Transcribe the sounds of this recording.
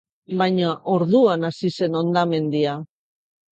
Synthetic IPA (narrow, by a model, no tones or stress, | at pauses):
bajɲaʔo̞ɾðuanasise̞no̞nd̪ame̞nd̪ia